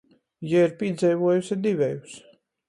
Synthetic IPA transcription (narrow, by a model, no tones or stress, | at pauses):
jaiɾpʲiɛd̪zʲɛjvuɔjusʲid̪ivʲɛjus